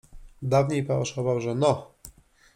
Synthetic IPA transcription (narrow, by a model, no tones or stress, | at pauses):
d̪avɲejpaɔʂɔvawʐɛnɔ